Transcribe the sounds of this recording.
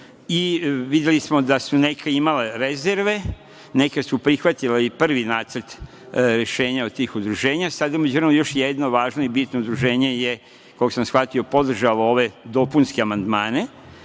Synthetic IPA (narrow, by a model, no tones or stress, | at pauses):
iʋid̪jelismo̞d̪asune̞kʰeimaleɾeze̞ɾʋe̞ | ne̞kesupɾixʋat̪ileipr̩ʋinaːt̪səɾt̪ | ɾe̞ʃe̞ːɲaot̪iːxud̪ɾuʒe̞ːɲasad̪amed͡ʑuɾnomjo̞ʃjed̪no̞ʋaːʒno̞ibit̪noud̪ɾuʒe̞ːɲe̞je | kooksamsxʋat̪io̞po̞d̪r̩ʒaloo̞ʋe̞d̪o̞punskeamand̪maːne̞